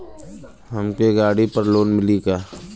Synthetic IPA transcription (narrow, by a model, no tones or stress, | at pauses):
ɦəmkeɡaːɽipəɾloːnmɪliɡaː